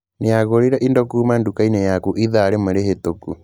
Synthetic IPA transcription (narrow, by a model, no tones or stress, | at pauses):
neaɣoɾiɾaʔindɔkumandukainɛjakuʔiðaɾemeɾehetoku